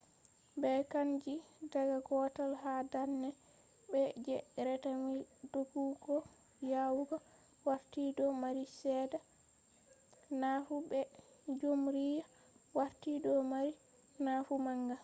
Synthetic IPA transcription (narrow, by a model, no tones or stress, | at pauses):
bɛkand͡ʒidaɡaɡɔtalɦadanːɛ | bɛd͡ʒɛɾɛtamildoɡuɡɔ | jawuɡa | waɾtidɔmaɾisɛːda | nafubɛ | d͡ʒomɾija | waɾtidɔmaɾi | nafumaŋɡa